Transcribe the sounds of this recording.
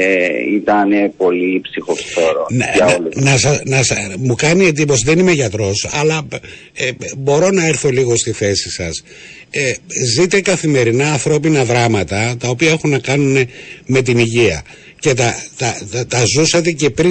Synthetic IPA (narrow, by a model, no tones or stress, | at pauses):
eit̪ɐnepo̞lipsixoftoɾoɐolnɐsɐnɐsmukɐnie̞d̪ipo̞siðenime̞ʝɐt̪ɾo̞sɐlɐ | bo̞ɾo̞nɐe̞ɾθo̞liɣo̞st̪iθe̞sisɐs | ezit̪e̞kɐθime̞ɾinɐːnθɾo̞pinɐðɾɐmɐt̪ɐt̪ɐopiɐe̞xunːɐkɐnune̞me̞t̪̬iniʝiɐ | ce̞t̪ɐt̪ɐt̪ɐzuset̪e̞ce̞pɾi